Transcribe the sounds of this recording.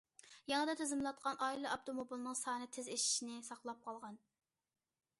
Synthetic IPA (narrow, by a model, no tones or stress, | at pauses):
jɑŋəd̪ɛt̪ʰezɪmlˠɑt̪̚qʰɑnʔɑːilˠɨʔɑp̚t̪ʰomobilˠnɨŋsɑːnɨt̪ʰɪzeʃi̥ʃinɪsɑqlˠɑp̚qʰɑlˠʁɑn